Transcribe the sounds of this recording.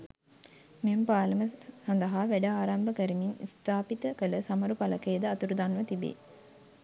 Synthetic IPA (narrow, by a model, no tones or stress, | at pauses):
mempaːlɐməsand̪ɐɦaːʋæɖɐaːɾɐmbəkɐɾimiŋḭst̪aːpit̪əkələsɐmɐɾupɐlɐkeːd̪əɐt̪uɾud̪anːʋət̪ibḛː